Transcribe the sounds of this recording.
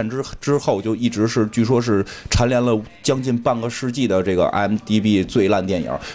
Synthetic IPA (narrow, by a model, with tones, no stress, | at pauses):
nʈ͡ʂʈ͡ʂɻ̩˥xo˥˩ʊt͡ɕjo˥˧ʊi˥˩ʈ͡ʂɻ̩˧˥ʂɻ̩˥˧t͡ɕy˥˩ʂ̬wɔ˥ʂ̬ɻ̩˥˩ʈ͡ʂʰa˧˥nljɛ˧˥nlə˧ | t͡ɕjɑ˥ŋt͡ɕi˥˧npa˥˩nɡə˩ʂɻ̩˥˧t͡ɕi˥˩d̪ə˩ʈ͡ʂɤ˥˩ɡə̰˩ʔɛ̰˥nt̪i˥pi˥t͡swe˥˧ɪla˥˧nt̪jɛ˥˩njɑ̰˧˥